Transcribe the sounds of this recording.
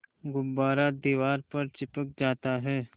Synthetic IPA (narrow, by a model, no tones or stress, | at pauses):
ɡʊbbaːɾad̪iːʋaːɾpɐɾt͡ʃɪpək̚d͡ʒaːt̪aɦɛː